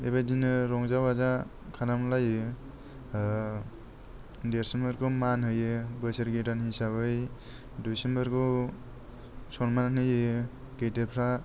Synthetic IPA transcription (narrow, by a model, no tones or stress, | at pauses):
eβadinɯɾɔŋzawaza | kʰanamlajɯ | deɾsembɯɾɡɯmanhɯjɯbɯseɾɡidanhisabɯj | dusembɯɾɡɯ | sɔnmananɯjɯ | ɡejdeɾpʰɾa